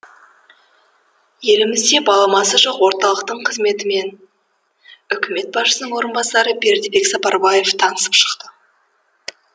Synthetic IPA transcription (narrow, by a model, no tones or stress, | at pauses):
je̞lɪmɪzd̪e̞bɑlˠɑmɑsəʒoqwo̞ɾt̪ɑlˠəq̚t̪əɴqʰəzme̞t̪ɪme̞n | ʏkʲʰɪme̞t̪̚bɑʃəsənəɴwo̞ɾənbɑsɑɾəbe̞ɾd̪ɪbe̞ksɑpɑɾbɑje̞ft̪ʰɑnəsəpʃə̥qt̪ə